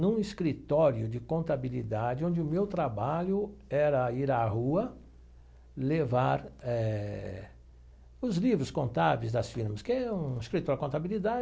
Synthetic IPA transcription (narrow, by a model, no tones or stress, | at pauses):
nũiskɾit̪ɔɾjʊd͡ʒɪkõnt̪abilid̪ad͡ʒɪõnd͡ʒɪʊmewt̪ɾabaʎʊɛɾɐiɾahuɐ | levaɾɛ | ʊzlivɾʊskõnt̪avejzd̪ɐsfiɾmɐskɪɛ̃ũiskɾit̪ɔɾɪkõt̪abilid̪ad͡ʒ